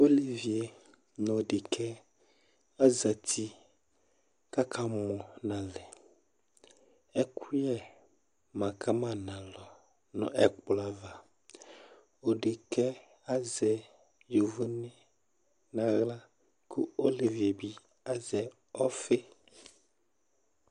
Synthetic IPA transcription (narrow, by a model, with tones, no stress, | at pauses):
o˦li˨vi˨e˨ | nɔ̃˨ɖe˨kʰɛ˦ | a˦za˨t̪ʰi˦ | ka˦kʰa˦mɔ̃˨nã˨lɛ˨ | ɛ˦kʰu˦jɛ˦ | mã˨ka˦mã˦nã˨lɔ˨ | nɔ̰̃˨ʔɛ˨k͡pla˨va˨ | o˨ɖe˨kɛ˦ | a˦zɛ˨ | jo˨vo˦nɛ̃˦ | nã˨ɣla˦ | kʰu˦o˦li˨vi˨bi˦ | a˦zɛ˨ | ɔ˦fe˦